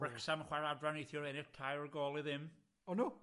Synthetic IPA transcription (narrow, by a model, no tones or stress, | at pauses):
ɹəksamχwaɾadɹaniθjɔɾɛnɪrtʰajɔɹɡɔːlˠɪðɪm | ɔnu